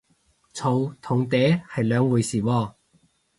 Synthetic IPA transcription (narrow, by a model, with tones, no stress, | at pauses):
t͡sʰo˨˧wt̪ʰʊ˨˩ŋt̪ɛː˨˥hɐ˨˩jlœː˨˧ŋwuː˨˧jsiː˨˩wɔː˧˩